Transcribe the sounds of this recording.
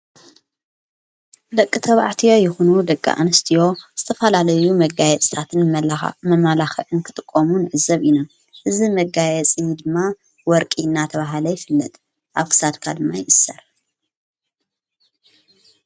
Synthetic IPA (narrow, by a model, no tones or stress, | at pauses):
d̪ɐkʼːɨt̪ʰɐβa̰ʕt̪ʰijo̞jɪxunud̪ɐkʼːa̰ʔa̰nɨst̪ʰijo̞z̥ɨt̪ʰɐfɐlalɐjumɐɡajɛt͡sʼt̪ʰat̪ʰɨnmɐmalaxɐʕɨnkʰɨt̪ʼɨkʼːomunɨʕɨzːɐβino | hɨzimɐɡajɛt͡sʼɨd̪ɨmːa | wɔɾkʼinːat̪ʰɐβaɦalɐjɪfɨlːɐt̪ʼ | ʔaβkʰɨ̥sad̪kʰad̪ɨmːajɪʔɨsɐɾ